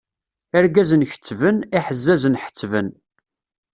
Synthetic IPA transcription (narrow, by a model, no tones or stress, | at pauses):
æɾɡæzənçə̥t͡sːvəniħəzːæzənħə̥t͡sːvən